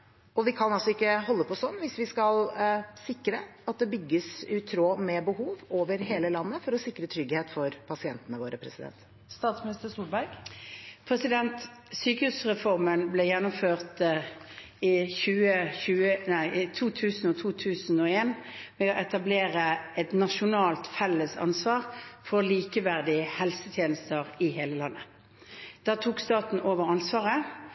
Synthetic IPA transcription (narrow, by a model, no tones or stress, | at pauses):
ɔʋɪkʰɑnɑlsɔɪkːəɦɔlːəpʰɔsɔnːʋɪsʋɪskɑlsɪkːɾəɑt̪̚d̪ɛbʏɡːəsʉt̪ʰɾoːmɛbəɦuːʋoːʋəɾɦeːləlɑnːəfɔɾɔsɪkːɾət̪ʰɾʏɡheːt̪fɔɾpʰɑsɪɛnt̪ənəʋoːɾəpʰɾɛ̰sɪd̪ɛ̰nt̪ | st̪ɑːt̪smɪnɪst̪əsuːlbæɪɡpʰɾɛsɪd̪ɛnt̪syːkəhʉsʁɛfɔʁmənblɛjɛnːʊmføːʁt̪ | ɪçʉːəçʉːənæɪʔɪt̪ʰuːt̪ʰʉːsn̩ɔt̪ʰuːt̪ʰʉːsn̩ɔeːnmɛoʔɛt̪ɑbleːʁəɛt̪nɑʃʊnɑːlt̪fɛlːəsɑ̰nsʋɑːʁfɔʁliːkəʋæʁd̪ɪəhɛlsət̪ʰjeːnəst̪əʁɪɦeːləlɑnːə | d̪̥ɑːt̪ʰuːkst̪ɑːt̪n̩ʔoːʋəʁɑnsʋɑːʁə